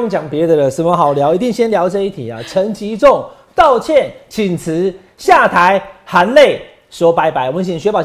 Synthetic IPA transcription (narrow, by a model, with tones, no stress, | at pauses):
ŋt͡ɕja˨˩ŋpjɛ˧˦d̪ə˨lə˨sə˨˩mə˦ɦɑ˨˩ʊlja˧˥ʊi˧˥t̪i˥˧ŋɕjɛ˥nljɑ˧˥ʊʈ͡ʂɤ˥˧˦i˥˩t̪ʰi˨˩a̰˨˩t͡sʰə˧˦˥ŋt͡ɕi˧˦t͡sʊ˥˨ŋ | t̪ɑ˥˨ʊt͡ɕʰjɛ˥˩nt͡ɕʰi˨˩nt͡s̩ʰ˧˦ | ɕja˥˨t̪ʰa˨˦ɪha˨˦˥nle˥˩ɪ | swɔ˧˦pa˧˥ɪpa˨˦ɪwɔ˨mə˧˦nt͡ɕʰi˨˩ɕɥɛ˧˥pɑ˨˩